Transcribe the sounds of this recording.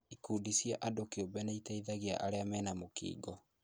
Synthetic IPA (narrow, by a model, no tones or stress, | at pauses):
ikuːdisjɛʔadokeobɛnaitaiðaɣia̰ʔaɾeamɛːnamokḭːɡɔ